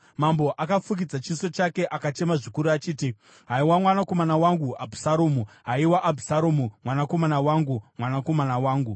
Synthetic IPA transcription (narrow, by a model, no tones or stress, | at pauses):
mambo̞ʔakafuk̬id͡zat͡ʃiso̞t͡ʃake̞ʔakat͡ʃe̞maʐikuɾuat͡ʃiːti | ɦaiwamwanako̞manawaŋɡuabʱusaɾomuɦaiwaʔːbʱusaɾoːmumwanako̞manawaŋɡumwanako̞manawaːŋɡu